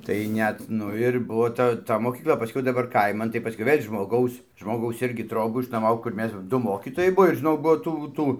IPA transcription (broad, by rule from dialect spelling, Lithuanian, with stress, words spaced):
tɐɪ ˈnʲɛt ˈnʊ ɪr ˈbʊʋoː ˈtɐ ˈtɐ moːkʲiːkˈlˠɐ pɐˈsʲkʲɛʊ dɐˈbɐr ˈkɐɪmɐn tɐɪ pɐˈsʲkʲɛʊ ˈʋʲeːlʲ ʒmoːˈɡɐʊs ʒmoːˈɡɐʊs ˈɪrʲɡʲɪ ˈtroːbuː ɪʃnuɔˈmɐʊ kʊr ˈmʲɛs ˈdʊ ˈmoːkʲiːtoːjɛɪ ˈbuɔ ɪr ʒʲɪˈnɐʊ ˈbuɔ ˈtuː ˈtuː